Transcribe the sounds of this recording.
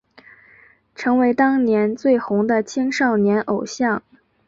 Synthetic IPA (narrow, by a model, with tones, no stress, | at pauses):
ʈ͡ʂʰɤ˧˥ŋwe˧˥ɪt̪ɑ˥ŋnjɛ˧˥nt͡swe˥˩ɪxʊ˧˥ŋd̪ə˧t͡ɕʰi˥ŋʂɑ˥˩ʊnjɛ˧˥nʔo˨˩ʊɕjɑ˥˩ŋ